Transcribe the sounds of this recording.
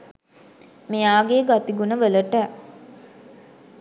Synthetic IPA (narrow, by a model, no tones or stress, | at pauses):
mejaːɡeːɡat̪iɡunəʋələʈə